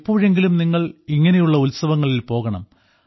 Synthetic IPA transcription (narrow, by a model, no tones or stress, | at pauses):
pːoːɻe̞ŋɡilumniŋːɐɭiŋːɐnejuɭːɐulsɐʋɐŋːɐɭilpo̞ːɣɐɳɐ̰m